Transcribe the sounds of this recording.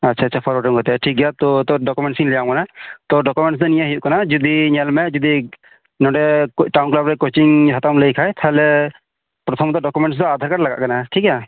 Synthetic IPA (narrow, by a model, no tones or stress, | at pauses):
atːt͡ʃʰaːtːt͡ʃʰapʰɔɾɔʈɔmɡɔt̪ɛʈʰik̚ɡjat̪ɔt̪ɔɖɔkumɛɳʈsiŋlɛjamkanat̪ɔɖɔkumɛ̃ɳʈs̬d̪ɔnijaɦijuʔkanad͡ʒɔd̪iɲɛlmɛd͡ʒɔd̪i | nɔɖɛʈawnklabɾɛkot͡ʃiŋɦat̪amlejkʰajt̪ʰaɦɛlɛ | pɾɔt̪ʰɔmt̪ɔɖɔkumɛɳʈs̬d̪ɔad̪ʱaɾkaɾlaɡa̰ʔkanaʈʰika